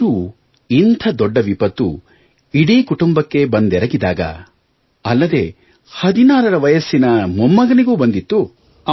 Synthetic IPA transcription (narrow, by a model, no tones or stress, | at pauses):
u | int̪ʰɐd̪ɔɖːɐʋipɐt̪ːṵ | iɽiːkuʈumbɐkːe̞bɐnd̪ɛɾɐɡid̪aːɡɐ̰ | ɐlːɐd̪e̞ | hɐd̪inaːɾɐɾɐʋɐjɐsːinɐmumːɐɡɐniɡuːbɐnd̪it̪ːu